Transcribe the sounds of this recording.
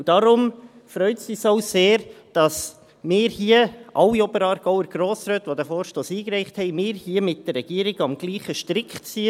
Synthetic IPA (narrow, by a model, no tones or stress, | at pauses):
ud̥ɑɾʊm | fɾœʏtsisoʊseːɾd̥ɑs | mɪːɾhiəʔɑwiɔbəɾɑːɾɡ̥ɔʊəɾɡ̥ɾoːsɾøːtʋodɛfoːɾʃtoːsiːkɾɛɪχthɛɪmɪːɾhiəmɪt̚d̥ərːɛɡ̥iəɾɪɡɑmɡliːχəʃtɾɪkχtsi